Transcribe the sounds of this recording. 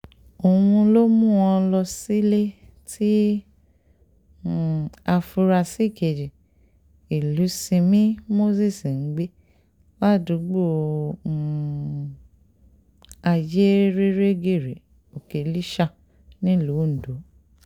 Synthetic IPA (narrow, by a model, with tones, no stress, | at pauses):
o˨wũ˧lo˦mũ˦ɔ˧lɔ˧si˦le˦ | ti˦˨ | a˧fu˧ɾa˧si˦˨ke˨d͡ʒi˨ | i˨lu˨˦sĩ˧mĩ˦mo˦si˦˨si˨n̩˨˦ɡ͡be˦ | wa˦˨du˨˦ɡ͡bo˦˨ | a˧je˦ɾe˦ɾe˦ɡe˦˨ɾe˨ | o˨ke˨li˦ʃa˧ | nĩ˦lu˨˦n̩˨do˨˦